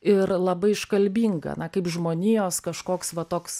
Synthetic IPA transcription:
ɪɾlˠɐbɐɪɪʃkɐlʲbʲiːŋɡɐ̰nɐkɐɪpʒmoːnʲiːjoːskɐʃkoːksʋɐt̪oːks

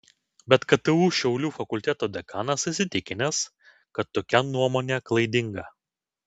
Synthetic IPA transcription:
bʲɛt̪kɐt̪ɐʋuːʃʲɛʊlʲuːfɐkʊlʲt̪ʲɛt̪oːd̪ʲɛkɑːnɐsɪsʲɪt̪ʲɪkʲɪnʲɛs | kɐt̪ːoːkʲɛnuɔmoːnʲæklˠɐɪd̪ʲɪŋɡɐ

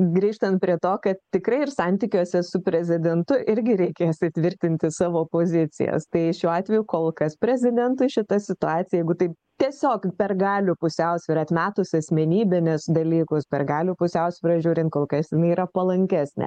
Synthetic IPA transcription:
ɡɾʲiːʃt̪ɐnt̪̚pʲɾʲiɛt̪oːkɐt̪t̪ʲɪkɾɐɪɪrsɑnʲt̪ʲikʲuːsʲɛsʊpʲɾʲɛzʲɪd̪ʲɛnt̪ʊʔɪɾʲɡʲɪɾʲɛɪkʲeːjsʲɪtʲʋʲɪɾʲt̪ʲɪnʲt̪ʲɪsɑːʋoːpoːzʲɪt͡s̪ʲɪ̰jɛ̰st̪ɐɪʃʲuːɑːt̪ʲʋʲɛjʊkoːlˠkɐspʲɾʲɛzʲɪd̪ʲɛnt̪ʊɪʃʲɪt̪ɐsʲɪt̪ʊɑːtt͡ssʲɪjɛjɛɪɡʊt̪ɐɪp | t̪ʲiɛsʲoːkpʲɛrɡɑːlʲʊːpʊsʲɛʊsʲʋʲiːɾɐt̪ʲmʲæːt̪ʊsʲɐsʲmʲɛnʲiːbʲɪnʲɪsd̪ɐlʲiːkʊspʲɛrɡɑːlʲuːpʊsʲɛʊsʲʋʲɪɾɐʒʲuːɾʲɪnt̪̚koːlˠkɐsjɪnɐɪiɾɐpɐlˠɐŋʲkʲæːsʲnʲɛ̰

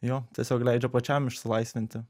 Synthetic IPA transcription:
joːt̪ʲiɛsʲoːklʲæɪd͡ʒʲɛpɐt͡ʃʲæmɪʃʲsʲɪlˠɐɪsʲʋʲɪnʲt̪ʲɪ

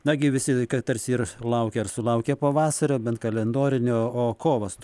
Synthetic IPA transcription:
nɐɡʲɪʋʲɪsʲɪkɐt̪ɐɾʲsʲɪirlˠɐʊkʲɛːɐrsʊlˠɐʊkʲɛpoːʋɑːsɐɾʲoːbʲɛnt̪kɐlʲɛnd̪oːɾʲɪnʲoːoːkoːʋɐs

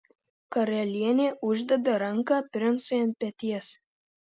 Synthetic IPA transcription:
kɐɾɐlʲiɛnʲeːʔʊʒʲd̪ʲɛd̪ɐɾɐŋkɑːpʲɾʲɪnsʊjɛnpʲɛt̪ʲiɛs

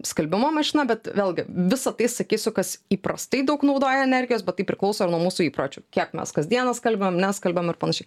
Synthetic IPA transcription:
skɐlʲbʲɪmoːmɐʃʲɪnɐbʲɛt̪ʋʲeːlˠʲɡʲɪʋʲɪsɐt̪ɐɪsɐkʲiːsʲʊkɐsiːpɾɐst̪ɐɪd̪ɐʊknɒʊd̪oːjɛɛnʲɛɾʲɡʲɪjoːsbʲɛt̪t̪ːɐɪpʲɾʲɪklˠɒʊsoːɪɾnuɔmuːsuːiːpɾoːt͡ʃʲuːkʲiɛkmʲɛ̰skɐsʲd̪ʲiɛnɐskɐlʲbʲɪmnʲɛskɐlʲbʲɛmɪɾpɐnɐʃʲɛɪ

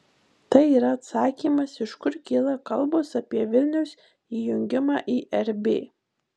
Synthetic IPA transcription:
t̪ɐɪiːɾɐɐt̪sɑːkʲiːmɐsɪʃkʊɾkʲɪlˠɐkɐlˠboːsɐpʲiɛʋʲɪlʲnʲɛʊs | iːjʊŋʲɡʲɪmɑːʔiːʔɛɾʲbʲḛː

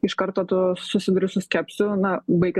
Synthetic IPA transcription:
ɪʃkɐɾt̪oːt̪ʊsʊsʲɪd̪ʊɾʲʊsʊsʲkʲæpʲsʲʊnɐbɐɪkʲɪ

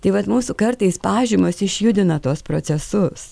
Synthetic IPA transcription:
t̪ɐɪʋɐt̪muːsukɐɾt̪ɐɪspɑːʒʲimɐsɪʃʲjʊd̪ʲɪnɐt̪uɔspɾosʲɛsʊs

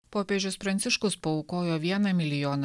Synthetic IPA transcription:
poːpʲeːʒʲʊspɾɐnt̪sʲɪʃkʊspɐɔʊkoːjoːʋʲiɛnɐmʲɪlʲɪjoːnɐ

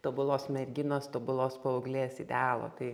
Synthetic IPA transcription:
t̪obʊlˠoːsmʲɛrʲɡʲɪnoːst̪oːbʊlˠoːspɐʊɡlʲeːsɪd̪ʲæːlˠo̰ːt̪ɐɪ

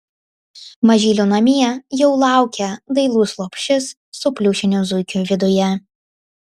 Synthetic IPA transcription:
mɐʒʲiːlʲunɐmʲiɛjɛʊlˠɑˑʊkʲɛd̪ɐɪlˠuːslˠoːpʲʃʲɪsːʊpʲlʲuːʃʲɪnʲʊzʊɪkʲuʋʲɪd̪ʊjɛ

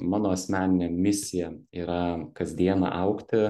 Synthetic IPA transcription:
mɑːnoːɐsʲmʲæːnʲɪnʲemʲɪsʲɪjɛiːɾɐkɐzʲd̪ʲiɛnɑ̰ʔɐʊkt̪ʲɪ

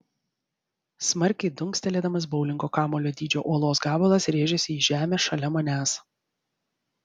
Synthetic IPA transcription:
smɐɾʲkʲɛɪd̪ʊŋksʲt̪ʲɛlʲeːd̪ɐmɐs̬bɒʊlʲɪŋɡoːkɑːmoːlʲoːd̪ʲiːd͡ʒʲo̰ːʔoɔlˠoːsɡɑːbɐlˠɐsɾʲeːʒʲɛsʲɪiːʒʲæːmʲeːsʃɐlʲɛmɐnʲæːs

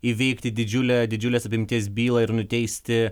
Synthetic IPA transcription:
iʋʲɛɪkt̪ʲɪd̪ʲɪd͡ʒʲʊlʲɛd̪ʲɪd͡ʒʲʊlʲeːsɐpʲɪmʲt̪ʲiɛs̬bʲiːlˠɐɪɾnʊt̪ʲɛɪsʲt̪ʲɪ

